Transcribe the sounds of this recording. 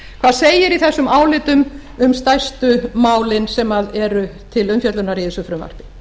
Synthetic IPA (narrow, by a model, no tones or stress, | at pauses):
kʰv̥aːðseːjɪɾiθɛsːʏmaːwlɪːt̪ʏm | ʏmst̪ajst̪ʏmaːwlɪnsɛmaðɛɾʏt̪ʰɪlʏmfjœt̪lʏnaɾiðsʏfɾʏːma̰r̥pɪ̥